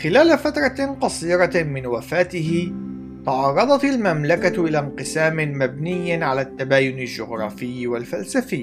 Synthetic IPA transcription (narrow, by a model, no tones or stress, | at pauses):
xɪlaːlafat̪ɾˤɑqɑsˤiːɾɑmɪnwafaːt̪ɪɦɪ | t̪ɑʕɑːrˤːɑd̪ˤɑt̪almamlakaʔɪlaːnqɨsaːmɪmab̚nɪjːɪnʕalaːt̪ːabaːjʊnald͡ʒʊɣɾˤɑ̰ːfɪjːwalfalsafɪː